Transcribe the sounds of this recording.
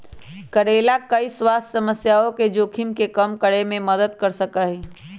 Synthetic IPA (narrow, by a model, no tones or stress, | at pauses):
kɐɾeːlakɐiswaːssɐməsjaːõked͡ʒoːkʰimkekɐmkəɽemẽməd̪əd̪̚kɐɾsəkaɦiː